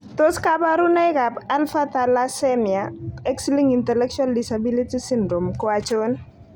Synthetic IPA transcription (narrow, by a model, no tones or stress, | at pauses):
t̪oskabaɾunɛkapalfat̪alasɛmiaɛksiliŋintɛlɛkʃaldisabilitisindɾomkwat͡ʃon